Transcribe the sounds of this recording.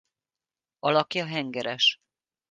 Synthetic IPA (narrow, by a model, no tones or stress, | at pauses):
ɒlɒkjɒɦɛŋɡɛɾɛʃ